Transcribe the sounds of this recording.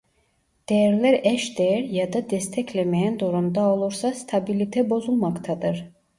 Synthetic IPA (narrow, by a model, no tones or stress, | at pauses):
d̪̥ejæɾlʲæɾɛʃd̪ejæɾjad̪ad̪ɛst̪ʰɛclʲemejænd̪uɾumd̪ao̞lˠuɾsast̪ʰabilʲit̪ʰɛbo̞zulˠmakt̪ʰad̪ɯɾ̥